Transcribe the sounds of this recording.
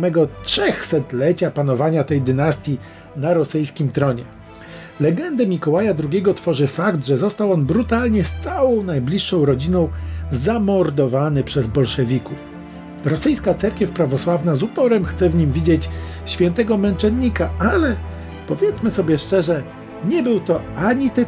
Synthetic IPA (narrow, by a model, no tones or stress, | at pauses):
mɛɡɔtʂɛxsɛt̪lɛt͡ɕapan̪ɔvaɲat̪ɛjd̪ɘnast̪ʲji | naɾɔsɘjskʲimt̪ɾɔɲɛ | lɛɡɛnd̪ɛmʲikɔwajad̪ɾuɡʲɛɡɔt̪fɔʐɘfakt̪ʐɛzɔst̪awɔnbɾut̪alɲɛst̪sawɔ̃w̃najblʲiʂːɔ̃w̃ɾɔd͡ʑinɔ̃w̃zamɔɾd̪ɔvanɘpʂɛzbɔlʂɛvʲikuf | ɾɔsɘjskat̪sɛɾkʲɛfpɾavɔswavnazupɔɾɛmxt̪sɛvɲimvʲid͡ʑet͡ɕ | ɕfʲjɛnt̪ɛɡɔmɛnt͡ʂɛnːikaalɛ | pɔvʲjɛt̪smɘsɔbʲjɛʂt͡ʂɛʐɛ | ɲɛbɘwt̪ɔʔaɲit̪ɛ